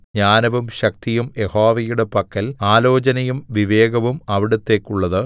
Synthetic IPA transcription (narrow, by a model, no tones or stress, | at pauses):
ɲaːnɐʋumɕɐk̚t̪ijumje̞hoːʋɐjuɽe̞pɐkːɐlaːlo̞ːt͡ɕɐnɐjumʋiʋe̞ːɡɐʋumɐʋiɽut̪ːe̞ːkʲːuɭːɐðɨ